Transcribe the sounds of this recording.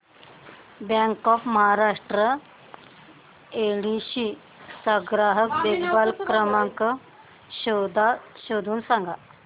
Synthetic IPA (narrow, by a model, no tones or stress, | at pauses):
bjɛ̃ŋkɔfməɦaɾaʂʈɾə | eɽiɕi | səɡɾaɦək̚d̪eɡbalkɾəmaŋkə | ɕod̪aɕod̪ʱuːnsãŋɡa